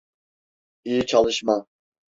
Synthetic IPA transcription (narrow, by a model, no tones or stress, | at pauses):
ijit͡ʃʰɑlˠɨʃmɑ